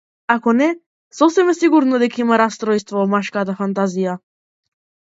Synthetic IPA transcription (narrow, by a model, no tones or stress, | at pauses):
akɔnɛ | sɔsɛmɛsiɡuɾnɔd̪ɛkaimaɾast̪ɾɔjst̪vɔvɔmaʃkat̪afant̪azija